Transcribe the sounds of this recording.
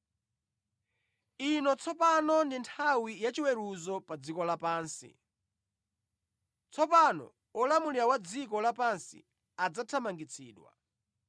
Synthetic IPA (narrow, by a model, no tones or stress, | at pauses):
inɔt͡sʰɔpanɔndintʰawijat͡ʃiwɛɾuzɔpad͡zikɔlapaːnsḭ | t͡sʰɔpanɔ̰ | ɔlamuliɾawad͡zikɔlapansḭ | ad͡zatʰamaŋɡit͡sʰiːɗwa̰